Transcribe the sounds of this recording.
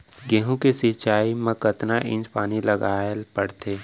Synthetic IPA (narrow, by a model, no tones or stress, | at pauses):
ɡẽːɦõkesɪt͡ʃaːimẽkət̪naʔɪ̰̃ɲd͡ʒpaːnilɐɡaːlpəɽt̪ʰeː